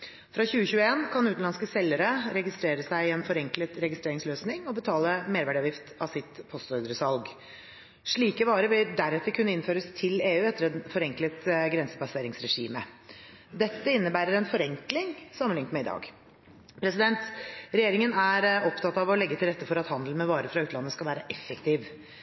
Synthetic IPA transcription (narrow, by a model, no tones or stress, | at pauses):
fɾɑçʉːəçʉːəeːnkʰɑnʉːt̪n̩ɑnskəsɛlːəɾəɾɛɡɪst̪ɾeːɾəsæɪɪɛnfɔɾɛŋklət̪ɾɛɡɪst̪ɾeːɾɪŋsløːsnɪŋɔbət̪ʰɑːləmeːɾʋæːɖɑːʋjɪft̪ɑʋsɪt̪pʰɔst̪œʏd̪ɾəsɑlɡ | ʂɭiːkəʋɑːɾəʋɪld̪æɾɛt̪ːəɾkʰʉnːəɪnføːɾəst̪ʰɪleːʉːɛt̪ːəɾɛnfɔɾɛŋklət̪ɡɾɛnsəpɑseːɾɪŋsɾɛʂiːmə | d̪ɛt̪ːəɪnːəbæːɾəɾɛnfɔɾɛŋklɪŋsɑmənɪŋt̪mɛɪd̪ɑ̰ːɡ | pʰɾɛsɪd̪ɛnt̪ɾɛjeːɾɪŋənæɾɔpt̪ʰɑt̪ːɑʋɔlɛɡːət̪ʰɪlɾɛt̪ːəfɔɾɑt̪hɑnd̪əl̩mɛʋɑːɾəfɾɑːʉːt̪lɑnːəskɑlʋæːɾəʔɛfːəkt̪ʰiːʋ